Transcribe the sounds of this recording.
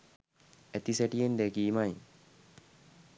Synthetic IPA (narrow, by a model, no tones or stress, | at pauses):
æt̪iseʈijend̪ekiːmaj